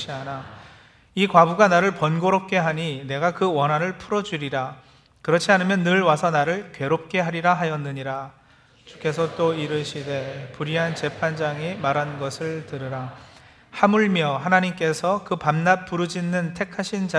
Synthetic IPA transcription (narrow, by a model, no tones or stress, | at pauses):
iana | ikwabuɡanaɾɯɭpʌnɡoɾop̚k͈e̞ɦaɲine̞ɡakɯwʌnɦanɯɭpʰuɾʌd͡ʑuɾiɾa | kɯɾʌt͡ɕʰianɯmjʌnːɯɭwasʰʌnaɾɯɭkɥe̞ɾop̚k͈e̞ɦaɾiɾaɦajʌnːɯɲiɾa | t͡ɕu̥k͈e̞sʰʌt͈oiɾɯɕʰide̞puɾiɦant͡ɕe̞pʰand͡ʑaŋimaɾɦanɡʌsʰɯɭtɯɾɯɾa | hamuɭmjʌɦanaɲimk͈e̞sʰʌkɯpamnap̚p͈uɾɯd͡ʑinːɯntʰe̞kʰaɕʰind͡ʑa